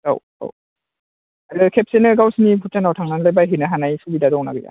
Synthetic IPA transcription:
ɡa̰w | a̰w | aɾɯkʰep̚senɯɡawsinipʰutanawtʰaŋnanlajbajɦɯnɯɦanajsubidaɾwna̰ɡɯja̰

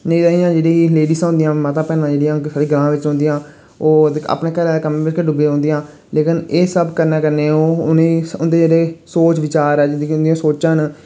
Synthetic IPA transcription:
nəĩt̪aːiːãːd͡ʒeːɽeːileːɖiːsːnd̪ijãːmət̪ãːpɛːnãːd͡ʒeːɽɪjãːsaːɽiːɡəlãːʋɪt͡ʃɦõnd̪ijãː | oːa̰ːpnẽːkəlɛːkəmẽːʋɪt͡ʃkəɖʊbeːɦõːnd̪ijãː | leːkɪneːsəbkəɾnɛ̃ːkəɾneːoːʊnẽʊnd̪eːd͡ʒeːɽeːsoːt͡ʃʋɪt͡ʃaːɾɛːd͡ʒɪd̪iʊ̃nd̪ijãːsoːt͡ʃən

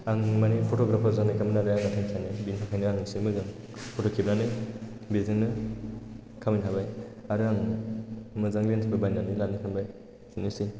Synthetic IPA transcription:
aŋmanipʰotoɡɾapʰazanakaminaɾɯjaŋatʰiŋsʰajnɯbintʰakʰajnɯaŋɯsimɯzaŋ | pʰotokʰip̚nanɯ | bezɯŋnɯ | kʰaminʰabajaɾɯaŋ | mɯzaŋlentʰababajnanilanikʰambaj | sinisi

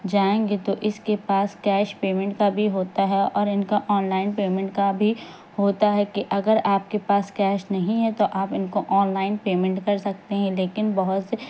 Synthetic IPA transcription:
d͡ʒaːẽːɡet̪oʔɪskepaːskɛːʃpeːmɛ̃ɳʈkabʱiɦoːt̪aɦɛɔːɾɪnkaʔɔːnlaːɪnpeːmɛ̃ɳʈkabʱi | hoːt̪aɦɛkiʔɐɡəɾaːp̚kepaːskɛːʃnɐɦĩɦɛt̪oʔaːpɪnkoʔɔːnlaːɪnpeːmɛ̃ɳʈkɐɾsɐk̚t̪eɦɛ̃leːkɪnbɐɦʊt̪s

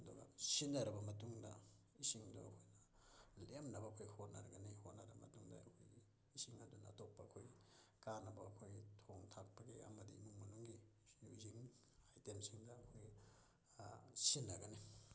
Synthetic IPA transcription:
ɐduɡɐ̰sinːɐɾɐbɐmɐtuŋdɐ̰ | isiŋdo̰ɐkʰojnɐ | lemnɐbɐɐkʰojhot̚nɐɾɐɡɐnihot̚nɐɾɐbɐmɐtuŋdɐ̰ɐ̰kʰo̰jɡi | isiŋɐdunɐːtok̚pɐːkʰojkanɐbɐɐkʰojtʰoŋtʰak̚pɐɡḛɐ̰mɐdḭmuŋmɐnuŋɡi | uziŋ | ajtemsiŋdɐɐkʰoj | sinːɐɡɐni

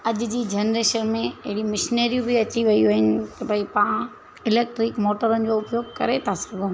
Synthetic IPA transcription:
ɐʄd͡ʑiːd͡ʑɛnɾeːʃənmẽɐɦɪɽimɪʃneːɾijũbʱɪɐt͡ɕiʋɐioɦɪnɪ̆t̪ɐbʱɐipaã | ɪleːk̚ʈɾɪkmoːʈəɾənɪ̆d͡ʑoːʊpjoːɡ̚kɐ̰ɾet̪ʰasɐɡʱõː

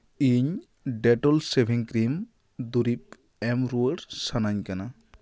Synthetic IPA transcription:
iɲ | ɖɛʈɔlsebʱiŋkɾim | d̪uɾip̚ | ɛmɾuəɾsanaɲkana

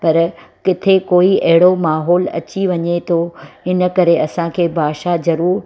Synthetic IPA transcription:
pɐɾkɪt̪ʰekoːiɐɦɪɽomaːɦɔːlɐ̰t͡ɕiʋɐɲet̪ʰoɪnə̆kɐɾeɐsãkʰeːbʱaːʃazɐɾuːɾ

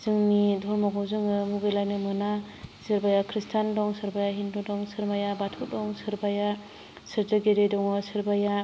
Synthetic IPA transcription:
z̥ɯŋnidʱɔɾmaɡɔwzɯŋɯmuɡejlajnɯmɯna | sɯɾbajakʰɾistʰandɔŋsɯɾbajaɦindodɔŋsɯɾmajabatʰudɔŋsɯɾbaja | sɯɾzaɡeɾedɔŋɯsɯɾbaja

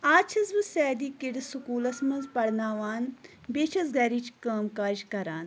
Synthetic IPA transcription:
aːt͡ʃʰɐzbɨsɛːd̪iːkiɽisukuːlɐsmɐnzpɐɽnaːʋaːn | beːt͡ʃʰɐzɡɐɾit͡ʃkaːmkaːʒkɐɾaːn

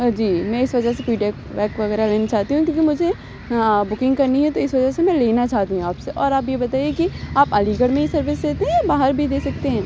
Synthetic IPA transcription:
d͡ʒiːmɛ̃ːɪsʋɐd͡ʒəsepiːɖɛːk | ʋɛːkʋɐɣɛːɾaleːnat͡ʃaːɦt̪iɦũkʲjũːkimʊd͡ʒʱe | bʊkɪ̃ŋɡkɐɾniɦɛ̃t̪oɪsʋɐd͡ʒəsemɛ̃leːnat͡ʃaːɦt̪iɦũaːpseʔɔːɾaːpjebɐt̪aːiekiaːpaliːɡəɽmẽisɐɾʋɪsd̪eːt̪eɦɛ̃baːɦəɾbʱid̪eːsɐk̚t̪eɦɛ̃ː

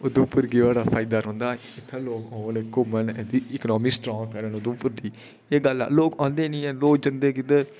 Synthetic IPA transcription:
ʊd̪ʊ̃mpʊɾɡiʋaːɽaːpʰaːɪd̪aːɾɔ̃ːnd̪aː | ɪt̪ʰːaloːkɔ̃ːnkomənːd̪iːɪknɔːmiːsʈɾɔ̃ːŋɡkəɾənʊd̪ʊ̃mpʊɾd̪iː | eːɡəlɛ̰ːloːkɔ̃ːnd̪eːnĩːɛ̃ːloːk̚d͡ʒənd̪eːkɪd̪ə

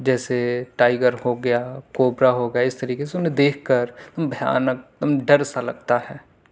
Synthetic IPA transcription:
d͡ʒɛːseʈaːɪɡəɾɦoɡɐjaːkoːbɾaɦoɡɐjaɪst̪ɐɾiːkeseʊnɦẽd̪eːkʰkəɾt̪ɐmbʱəja̰ːnək̚t̪ɐmɖɐɾsalɐɡ̚t̪aɦɛː

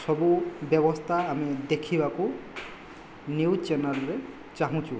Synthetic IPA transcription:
sɔbubjɛbɔstʰaːmidekʰibakʊ | njuwt͡ʃɛnalɹɛ | t͡ʃaɦũt͡ʃʊ̃

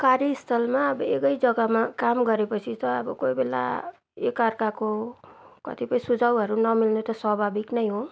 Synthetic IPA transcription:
kaɾjiist̪ʰʌlmaʌbʌekʌjd͡zʌɡʌmakamɡʌɾepʌt͡sʰit̪ʌːbʌ̰kojbela̰ | ekarkako | kʌ̰t̪ipʌĩsud͡zʱawɦʌɾunʌmilnot̪ʌswʌbʱabiknʌjɦo

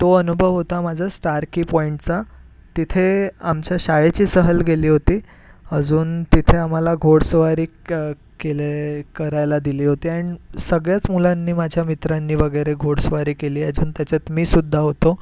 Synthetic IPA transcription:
t̪oənubʱəʋɦot̪amad͡ʑd͡zʱasʈaɾkiːpɔiɳʈt͡sa | t̪it̪ʰeamt͡ɕjaɕajet͡ɕiːsəɦəlɡʱeliːɦot̪iː | əd͡zuːnt̪it̪ʰeam̤alaɡʱoɽsʋaɾiː | kelekəɾajlad̪iliːɦot̪iːaɽ̃isəɡɭjat͡smulãnːiːmad͡ʑʱjamit̪ɾanːiːʋəɡəjɾeɡʱoɽsʋaɾiːkeliːəd͡zʱuːnt̪jat͡ɕat͡s̪miːsud̪ʱːaɦot̪o

